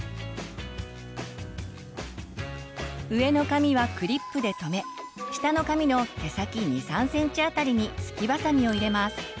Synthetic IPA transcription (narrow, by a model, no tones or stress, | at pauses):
ɯ̟e̞no̞kamʲiβakɯ̟ɾʲipːɯ̟d̪e̞t̪o̞me̞ | ɕi̥t̪ano̞kamʲino̞t̪e̞sakʲiɲ̟isãɰ̃sẽ̞ɲ̟t͡ɕiat̪aɾʲiɲ̟isɨ̥kʲibasaɲ̟ʲio̞iɾe̞masɨ̥